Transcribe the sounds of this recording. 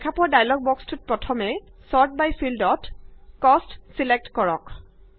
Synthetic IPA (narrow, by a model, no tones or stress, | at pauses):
kʰapɔɹdajlɔɡ̚bɔkstut̚pɹɔtʰɔmɛsɔɹt̚bajfʰildɔtkɔstsilɛk̚tkɔɹɔ̰k